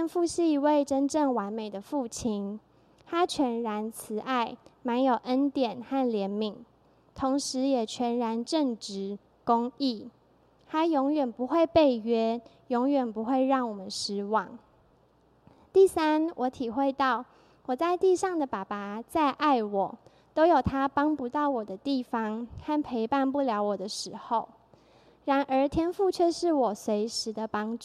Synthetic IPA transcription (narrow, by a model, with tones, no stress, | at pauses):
ə˥˧nfu˥˧ʂɻ̩˥˩i˧˥we˥˩ɪʈ͡ʂə˦nʈ͡ʂə˥˩ŋwa˧˦nme˨˩ɪd̪ə˩fu˥˩t͡ɕʰi˦˥n | t̪ʰa˥t͡ɕʰɥɛ˧˥nɻa˧˦nt͡sʰɹ̩˨˩ʔa˥˩ɪma˧˥njo˨˩ʊʔə˦nt̪jɛ˨˩nxa˥˩nljɛ˧˦˥nmi˨˩˦ŋ | t̪ʰo˧˥ŋʂɻ̩˧˦jɛ˨˩t͡ɕʰɥɛ˧˥nɻa˧˦˥nʈ͡ʂə˥˩ŋʈ͡ʂɻ̩˧˦ | kʊ˦˥ŋi˥˩ | t̪ʰa˥jɔ˧˥ŋɥɛ˨˩npu˧˦xwe˥˧ɪpe˥˩ɪɥɛ˦˥ | jo˧˥ŋɥɛ˨˩npu˧˦xwe˥˧ɪɻɑ˥˩ŋwɔ˨˩mə˨˦nʂɻ̩˧˥wɑ˨˩˦ŋ | t̪i˥˩sa˥nwʔɔ˧˥t̪ʰi˨˩xwe˥˧ɪt̪ɑ˥˩ʊ | wɔ˨˩t͡sa˥˧ɪt̪i˥˧ʂɑ˥˩ŋd̪ə˨˩pa˨˩pa˨˦t͡sa˥˧ɪʔa˥˩ɪwɔ˨˩ | t̪o˥ʊjo˨˩ʊt̪ʰa˦pɑ˥ŋpu˧˥t̪ɑ˥˩ʊwɔ˨˩d̪ə˦t̪i˥˩fɑ˦ŋxa˥˩npʰe˧˥ɪpa˥˧npu˥˩ljɑ˧˥ʊwɔ˨˩d̪ə˦ʂɻ̩˧˥xo˥˨˩ʊ | ɻa˧˥nʔə˞˧˥t̪ʰjɛ˥nfu˥˧t͡ɕʰɛ˥˧ʂɻ̩˥˩wɔ˨˩swe˧˥ɪʂɻ̩˧˥d̪ə˧pɑ˥ŋʈ͡ʂu˥˨